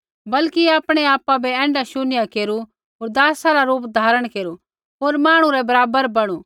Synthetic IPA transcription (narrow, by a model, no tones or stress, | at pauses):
bɐlkiaːpɽ̃eaːpabɛɛ̃ːɳɖaʃʊnɪjakeːɾu | ɦoːɾd̪aːsaɾaɾuːp̬d̪ʱaːɾəɽ̃keːɾu | ɦoːɾmaːɽ̃ũɾɛbɐɾaːbəɾbɐɽ̃uː